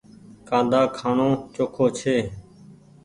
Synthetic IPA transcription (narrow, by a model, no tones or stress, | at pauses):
kãːnd̪aːkʰaːɳõːt͡ʃoːkʰoːt͡ʃʰeː